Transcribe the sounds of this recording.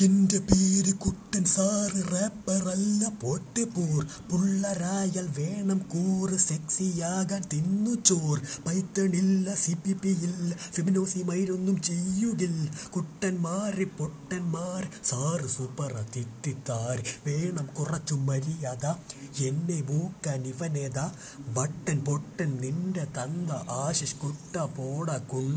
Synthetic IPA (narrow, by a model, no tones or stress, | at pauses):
indɐpiːɾɨkuʈːɐnsaːrɨrepːɐrɐlːɐpoʈːɨpuːr | puɭːɐɾaːjɐlʋeːɳɐmkuːrɨseksijaːɣaːnt̪inːut͡ʃːoːrpɐjt̪ːɐɳilːɐsipːipːijilːɐfeminoːsimɐjɾonːumt͡ɕejːuɣilkuʈːɐnmaːripoʈːɐnmaːrsaːrɨsupɐrɐt̪it̪ːit̪ːaːɾʋeːɳɐmkurɐt͡ʃːumːɐɾijaðaenːemuːkːaːniʋɐneːd̪aː | ʋɐʈːɐnpoʈːɐnninɖɐt̪ɐnd̪ɐʔaːɕɐʂkuʈːɐpoːɽɐkːuɳ